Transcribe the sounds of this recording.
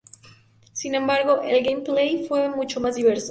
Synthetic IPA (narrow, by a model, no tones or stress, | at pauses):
sinẽ̞mbaɾɣo̞ʔelɡejmplejfwe̞mut͡ʃomazðiβe̞ɾso